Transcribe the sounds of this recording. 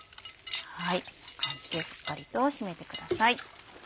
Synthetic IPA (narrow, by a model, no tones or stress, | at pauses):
haikʰãɲt͡ɕi̥kʲeso̥kːaɾʲit̪o̞ːɕime̞t̪e̞kɯ̟d̪asai